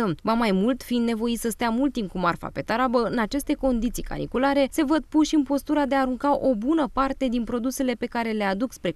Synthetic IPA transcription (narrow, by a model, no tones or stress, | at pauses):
əvamajmult̪fiːnd̪ne̞vo̞isəst̪eamult̪ːimp̚kumarfa̰pe̞t̪aɾabəɨnat͡ʃe̞st̪e̞ko̞nd̪it̪sijka̰nḭkulaɾe̞se̞vəd̪̚puʃɨnpo̞st̪uɾad̪e̞aːɾuŋkaʔo̞bunəpart̪e̞d̪inpɾo̞d̪use̞le̞pe̞kaɾe̞le̞ad̪ukspɾe̞